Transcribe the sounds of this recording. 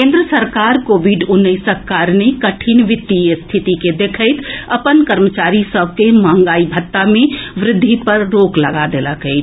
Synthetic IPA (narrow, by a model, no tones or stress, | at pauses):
kẽːnd̪ɾəsəɾkaɾkoːbʱiɖʊnːəɪsəkːaːɾnekəʈʰinʋɪt̪ːijest̪ʰit̪iked̪ekʰəɪt̪ʰəpənkəɾmət͡ʃaːɾisəb̚ʱkemə̃ŋ̆ɡaːibʱət̪ːamẽʋɾɪd̪ʱːipəɾːoːkləɡad̪eləkəɪt͡ʃ